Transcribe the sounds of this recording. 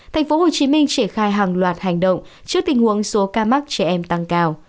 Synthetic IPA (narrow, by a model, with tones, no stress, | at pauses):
t̪ʰa˨˩jŋ̟fo˨˦ho˨˩t͡ɕi˨˦mï˧ŋ̟t͡ɕɛ˧˩xaː˧jɦaː˨˩ŋlwaː˨˩t̚ha˨˩jŋ̟ɗə̰˧˨wŋ͡mt͡ɕɨ˦˥ək̚t̪ï˧˩ŋ̟hu˨˦əŋso˨˦kaː˧ma˦˥k̚t͡ɕɛ˧˩ʔɛ˧mt̪a˧ŋkaː˧w